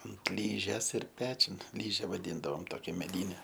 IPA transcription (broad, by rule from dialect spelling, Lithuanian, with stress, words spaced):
ɐnt ˈlʲiːʒʲeːs ɪr ˈpʲæːt͡ʃʲʊn ˈlʲiːʒʲɛ ʋɐˈdʲiːndɐʋoːm ˈtoːkʲɛ mʲɛˈdʲiːnʲɛ